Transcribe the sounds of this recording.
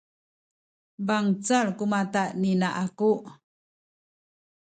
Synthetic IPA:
baŋt͡saɭkumat̪aʔninaʔakuʔ

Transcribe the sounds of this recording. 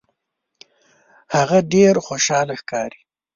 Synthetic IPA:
haɣaɖeɾxoʃɑlaxkɑɾi̥

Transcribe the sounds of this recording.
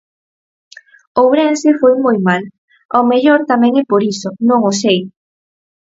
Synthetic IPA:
owβɾɛnsɪfojmojmal | omeʎoɾt̪amɛ̃ŋɛpoɾisonõŋosej

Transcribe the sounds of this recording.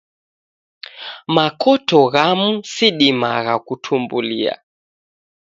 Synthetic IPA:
makʰɔtɔɣamusiɗimaɣakutʰumbulia̰

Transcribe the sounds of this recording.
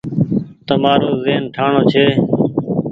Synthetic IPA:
t̪əmaːɾoːzeːnʈʰaːɳoːt͡ʃʰeː

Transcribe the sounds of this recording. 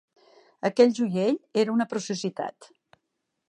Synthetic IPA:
əkɛʎʲʒujeʎeɾəunəpɾusuzit̪a̰t̪

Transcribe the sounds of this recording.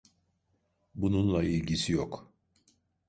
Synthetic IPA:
bununlˠailʲɟisijok

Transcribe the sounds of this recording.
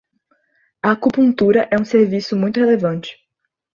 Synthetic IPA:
ɐkupũt̪uɾɐʔɛũseɾvisʊmũj̃t̪ʊhelevɐ̃nt͡ʃɪ̥

